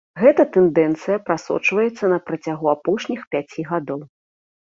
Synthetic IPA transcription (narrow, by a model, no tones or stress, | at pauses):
ɣɛt̪ɐt̪ɛnd̪ɛnt̪sɨjɐpɾasɔ̰t͡ʂvɐjɛt̪sːɐnɐpɾɐt͡sʲaɣuapɔʂnʲixpʲat͡sʲiɣad̪ɔw